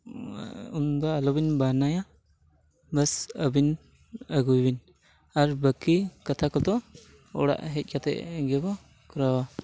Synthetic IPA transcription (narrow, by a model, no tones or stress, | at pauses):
und̪aːlɔbinbanaja | bəsəbin | əɡujbin | aɾbəkːikat̪ʰakɔlt̪ɔ | ɔ̰ɽa̰ʔɦɛc̪̚ʲˀkat̪ɛ̰ʔɡɛbɔ | kɔɾawa